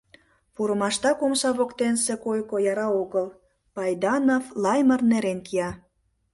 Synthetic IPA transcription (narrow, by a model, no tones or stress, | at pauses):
puɾə̆mɑʃt̪ɑkomʃɑβokt̪ensekojkojɑɾɑoɣəl | pɑjd̪ɑnovlɑjmərneɾenkiɑ